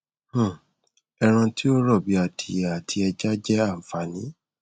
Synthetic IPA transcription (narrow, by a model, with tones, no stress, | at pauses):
h̩˦˨ | ɛ˧ɾ̃ã˧ti˦o˦ɾɔ˦˨bi˨˦a˨tʰi˨a˨tʰi˧ɛ˧d͡ʒa˦d͡ʒɛ˦a˦˨fa˨˦nĩ˨˦